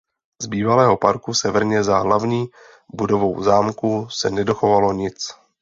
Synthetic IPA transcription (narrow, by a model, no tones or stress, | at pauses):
z̥biːvalɛːɦo̞paɾkusɛvɛɾɲɛzaɦlavɲiː | budo̞vo̞wzaːmkusɛnɛdoxovalo̞ɲɪt͡s